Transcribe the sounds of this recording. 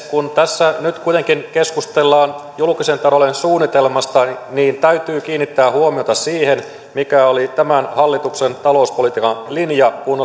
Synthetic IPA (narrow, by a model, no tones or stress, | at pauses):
kunt̪æsːænyt̪kujt̪eŋkinkeskust̪elːɑːnjulkisent̪ɑɾolensuːnːit̪elmɑst̪ɑniːnt̪æyt̪yːkiːnːit̪ːæːhuomio̞t̪ɑsiːhen | mikæolit̪æmænhɑlːit̪uksent̪ɑlouspolit̪iːkɑnlinjɑkunː